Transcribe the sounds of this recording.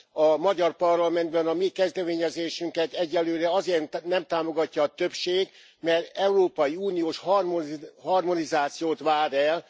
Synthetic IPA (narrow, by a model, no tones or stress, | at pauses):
ɒmɒɟɒrpɒrlɒmɛnd̪̚bɛnɒmikɛzd̪ɛmeːɲɛzeːʃyŋkɛt̪ɛɟːɛlːøːɾɛɒzeːrnɛmt̪aːmo̞ɡɒcːɒːt̪øpʃeːɡ | mɛrt̪ɛuɾoːpɒjiuːnijoːʃhrmhɒrmo̞nizaːt̪sijoːt̪ʋaːɾɛl